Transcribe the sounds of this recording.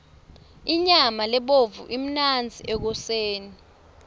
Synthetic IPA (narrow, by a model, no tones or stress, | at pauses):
iɲamalɛɓovuʔim̩nand͡zʱiʔɛk̬ɔseːni